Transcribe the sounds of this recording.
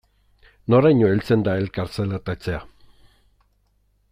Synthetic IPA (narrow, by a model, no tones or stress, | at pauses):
noɾajɲoelt͡se̞nd̪ae̞lkaɾt͡selat̪at͡sea